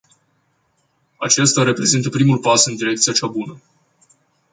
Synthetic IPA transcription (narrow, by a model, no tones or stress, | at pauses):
a̰t͡ʃe̞st̪aɾe̞pɾe̞zint̪əpɾimulpasɨnd̪iɾe̞k̚t̪sijat͡ʃabunə